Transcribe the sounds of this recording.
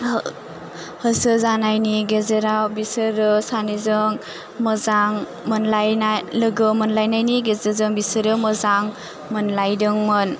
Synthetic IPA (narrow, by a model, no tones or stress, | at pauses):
həsɯzanajniɡezeɾawbisɯɾɯsanizɯŋ | məzaŋ | mɯnlajnalɯɡɯmɯnlajnajniɡezɯzɯŋbisɯɾɯməzaŋ | mɯnlajdɯŋmɯn